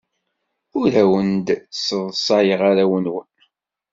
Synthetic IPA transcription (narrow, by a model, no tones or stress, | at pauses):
ʊɾæwənd̪səðˤsˤɑjəʁaɾawənwən